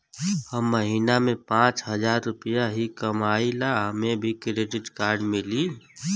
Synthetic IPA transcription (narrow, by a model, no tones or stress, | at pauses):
həmːəɦiːnamẽpãːt͡ʃɦəd͡ʒaːɾːʊpijaɦikəmaːilaɦəmẽbʱikɾeːɖɪʈkaːɾɖmɪli